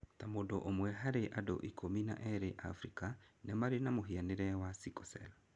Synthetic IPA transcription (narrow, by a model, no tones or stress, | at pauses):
tamodoʔomwɛɦaɾeʔado̰ʔikʰomina̰ʔɛɾeʔa̰fɾikanɛmaɾenamoɦianeɾɛwasikɔsɛ̰la